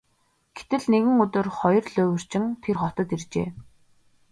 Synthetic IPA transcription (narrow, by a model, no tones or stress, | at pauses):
ɡ̥et̪ɘ̆ɮneɣɘ̆ŋɵt̪ɵ̆rχɔjɞ̆rɮɵːwɘ̆r̥t͡ɕɪ̆ŋt̪ʰerχɔt̪ə̆t̪irt͡ɕḛː